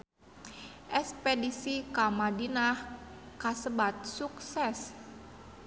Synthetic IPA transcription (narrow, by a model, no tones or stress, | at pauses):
ʔɛspedisikamadinahkasəbat̪̚suksɛs